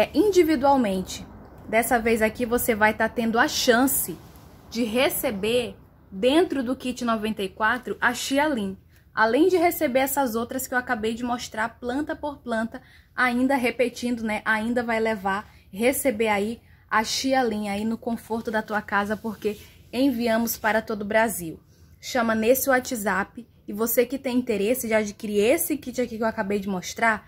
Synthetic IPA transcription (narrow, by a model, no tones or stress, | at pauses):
ʔĩd͡ʒivid̪uawmẽnt͡ʃɪd̪ɛsɐvejzakivosevajt̪at̪ẽnd̪ʊaʃɐ̃sɪd͡ʒɪɦesebeɾ | d̪ẽnt̪ɾʊd̪ʊkit͡ʃɪnɔvẽnt̪eikwat̪ɾʊʔaʃialĩ | a̰lẽj̃d͡ʒɪɦesebeɾɛsɐzowt̪ɾɐskɪewakabejd͡ʒɪmoʃt̪ɾaɾplɐ̃nt̪ɐpoɾplɐ̃nt̪ɐ | aĩnd̪ɐɦepet͡ʃĩnd̪ʊnɛʔaĩnd̪ɐvajlevaɾ | ɦesebeɾai | aʃialĩainʊkõfoɾt̪ʊd̪ɐt̪uɐkazɐpoɾkeẽviɐ̃mʊspaɾɐt̪od̪ʊʊbɾaziw | ʃɐ̃mɐnesɪwat͡ʃizapɪːvosekɪt̪ẽj̃ĩnt̪eɾesɪd͡ʒɪad͡ʒikiɾiɾesɪkit͡ʃakikewakabejd͡ʒɪmoʃt̪ɾaɾ